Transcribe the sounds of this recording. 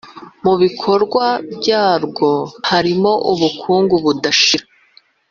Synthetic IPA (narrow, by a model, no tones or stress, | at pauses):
muβikʰo̞ɾɡwabɟaːɾɡo̞haɾimo̞ʔuβukʰuːŋɡuβudaʃiɾa